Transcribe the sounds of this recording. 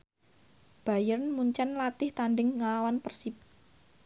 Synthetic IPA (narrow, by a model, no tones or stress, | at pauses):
b̥a̤jərnmuɲt͡ʃanlat̪ɪht̪anɖɪŋːalawanpərsip